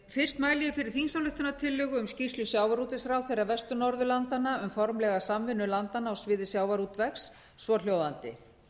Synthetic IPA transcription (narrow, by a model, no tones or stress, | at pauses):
fɪr̥st̪maːjlɪjɪfɪɾɪɾ̥θinsawlʏht̪ʏnat̪ʰɪlːʏɣʏʏmscir̥slʏsjaːwvaɾut̪ɪsɾawθejrːavɛst̪ʏnɔɾðʏlant̪anːaʏmfɔɾmlɛɣasamvɪnːʏlant̪anaɔsvɪːðɪsjaːwvaɾut̪vɛksː | vɔl̥joːwðant̪ɪ̰